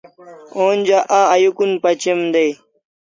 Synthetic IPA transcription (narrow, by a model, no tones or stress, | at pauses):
oːnd͡ʑaʔaːjukunpɐt͡ɕemd̪ej